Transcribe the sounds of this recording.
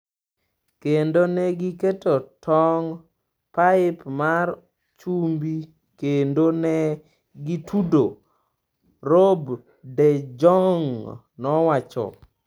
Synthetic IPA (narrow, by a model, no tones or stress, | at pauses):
kendonɛɡiketotʰɔŋ | paɪpmar | t͡ʃumbi | kendonɛ | ɡitʰudo | ɾob | dɛd͡ʒɔŋ | nɔwat͡ʃɔ̰